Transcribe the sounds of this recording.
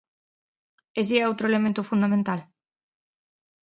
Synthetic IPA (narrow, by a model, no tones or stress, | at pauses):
esiɛowt̪ɾʊelemẽnt̪ʊfund̪amẽnt̪al